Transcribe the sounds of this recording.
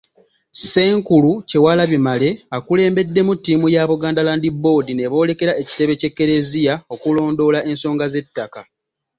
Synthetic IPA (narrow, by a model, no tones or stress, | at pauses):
se̞ːŋkuluce̞walaβimale̞akule̞ːmbe̞dːe̞mutːiːmujaβuɡaːndalaːndibo̞dine̞βo̞ːle̞ke̞ɾae̞ci̥te̞βe̞ce̞kːe̞ɾe̞zijao̞kulo̞ːndo̞ːlaʔe̞nso̞ːŋɡaze̞tːaka